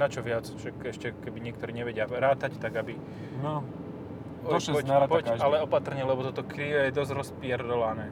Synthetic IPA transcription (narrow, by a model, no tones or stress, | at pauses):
nat͡ʃɔʋɪat͡sʒ̥ɛkɛʃcɛkɛbiɲɪɛk̚t̪ɔɾiːɲɛʋɛɟɪaɾaːt̪act̪aɡabi | nɔ | ɔʃɔpɔalɛɔpat̪r̩ɲɛlɛbɔt̪ɔt̪ɔkɾiːʋɛjɛd̪ɔzɾɔspɪɛɾd̪ɔʋanɛː